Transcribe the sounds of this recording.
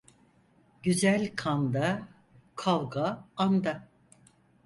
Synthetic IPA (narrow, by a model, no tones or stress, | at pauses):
ɟyzælʲkʰand̪a | kʰalˠɡaːnd̪a